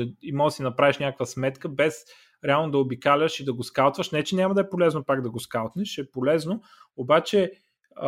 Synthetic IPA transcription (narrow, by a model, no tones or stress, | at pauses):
imɔsinɐpɾaviʃnʲakəkvəsmɛt̪kəbɛs | ɾɛalˠnod̪ɐobikalʲəʃid̪ɐɡoskalˠt̪vəʃnɛt͡ʃɛnʲaməd̪ɐɛpolɛznopaɡd̪ɐɡoskalˠt̪nɛʃɛpolɛzno | obat͡ʃɛ